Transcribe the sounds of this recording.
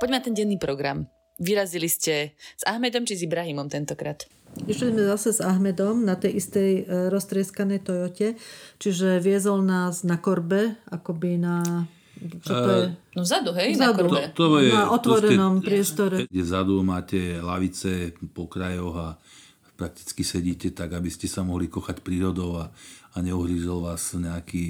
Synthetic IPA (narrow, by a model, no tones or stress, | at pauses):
pɔɟmɛnat̪ɛnɟɛnːiːpɾɔɡɾa̰m | ʋiɾaziliscɛz̥aɦmɛd̪ɔmt͡ʃizibɾaɦimɔmt̪ɛnt̪ɔkɾaːt̪ | iʃlizmɛzasɛzaɦmɛd̪ɔmnat̪ɛjist̪ɛjɾɔst̪ɾɪɛskanɛjt̪ɔjɔcɛt͡ʃiʒɛʋɪɛzɔlnaːznakɔɾbɛakɔbina | t͡ʃɔt̪ɔɛnɔzad̪uɦɛzad̪ut̪ɔjnɛaʔɔt̪ʋɔɾɛnɔmppɾɪɛst̪ɔɾɛɡɟɛvzad̪umaːcɛlaʋit͡sɛpɔkɾajɔɣa | pɾak̚t̪i̥t͡skisɛɟiːcɛt̪aɡabiscɛsamɔɦlikɔxacpɾiːɾɔd̪ɔʊaaɲɛuɦɾiʒɛlʋaːzɲɛaki